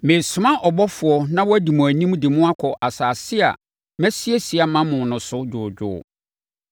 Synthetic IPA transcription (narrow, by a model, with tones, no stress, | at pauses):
mẽ˨sʊ˨mã˦ʔɔ˨bɔ˦fʊ˨ɔ˨nã˦wɔ˦æ˦di˨mũ˨æ˨nĩ˦m˦dɪ˨mʊ̃˦a˦kʰɔ˨ʔa˨saː˨sɪ˦a̰˨ | mɛ˦sɪ˦e˦si˨a˨mã˦mʊ̃˨nʊ̃˨sʊ˦d͡ʑʊː˨d͡ʑᶣʊ̰ː˦˨